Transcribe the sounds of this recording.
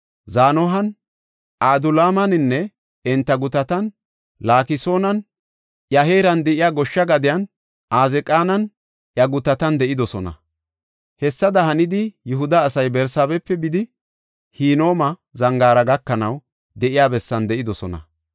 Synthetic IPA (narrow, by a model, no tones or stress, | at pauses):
zaːnɔɦɐn | ʔaːd̪ʊlaːmɐnɪnːɛ | ɛnt̪ːɐɡʊt̪ɐt̪ɐn | laːkɪso̞ːnɐn | ʔjɐɦe̞ːɾɐnd̪ɛʔɪjaːɡɔʃːɐɡɐd̪ɪjɐn | ʔaːzɛkʼaːnɐn | ʔjɐɡʊt̪ɐt̪ɐnd̪ɛʔɪd̪ɔsɔnɐ̰ | hɛsːɐd̪ɐɦɐnɪd̪ɪjʊɦʊd̪ɐːsɐjbɛɾsaːbɛpːɛbɪd̪ɪ | hiːno̞ːmɐzɐŋɡaːɾɐɡɐkːɐnɐw | d̪ɛʔɪjaːbɛsːɐnd̪ɛʔɪd̪ɔsɔnɐ̰